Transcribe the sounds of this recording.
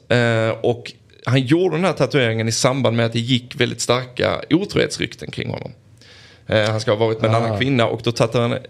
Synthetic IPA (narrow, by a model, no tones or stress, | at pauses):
ɔk | hanjuːɖəd̪ɛnd̪æːʈ̪ʰat̪ɵeːɾɪŋənɪsamband̪mɛat̪̚d̪ɛjɪkːvɛld̪ɪt̪st̪aɾka̰uːt̪ʰɾṵːhḛːt̪sɾʏ̰kt̪ʰənkʰɾɪ̰ŋːhɔ̰nːɔ̰mː | hanskahɑːvɑːɾɪt̪mɛːnanːankʰvɪnːaʔɔkd̪ɔt̪ʰat̪ːad̪han